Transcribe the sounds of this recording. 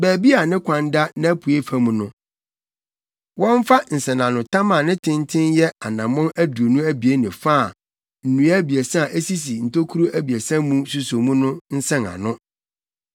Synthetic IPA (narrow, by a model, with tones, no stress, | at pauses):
bæː˨bi˦a˨nɪ̃˦kʷʰã˨n˦da˦nã˦pʰu˨e˦fæ˨˦mũ˨nʊ̃˦ | wɔ̃˦ɱ˦fa˦n̩˨sɛ̃˨nã˨nʊ̃˨tʰã˦mã˨nɪ̃˦tʰɪ̃˦n˦tʰɪ̃˦njɛ˦a˨nã˨mɔ̃˦næ˦du˨o˨nũ˦æ˦bi˨e˦nɪ̃˨fa˦˨ | n̩˨nũ˨˦a˦bi˨ɛ˨sɛ̃˦a˨ʔe˦si˦s̬i˨n̩˨tʰo˦kʰu˦ɾu˦ʔæ˦bi˨ɛ˨sɛ̃˦mũ˦su˨so˨mũ˦nʊ̃˦n̩˦sɛ̃˦nã̰˨nʊ̃˦